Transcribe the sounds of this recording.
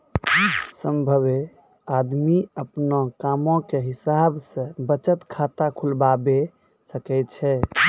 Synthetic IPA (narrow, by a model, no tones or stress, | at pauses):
səmbʱəβe | ad̪miəpnɔkamõkeɦisabsə̃bət͡ʃət̪kʰat̪akʰulbabe | səkɛɪt͡ʃʰɛ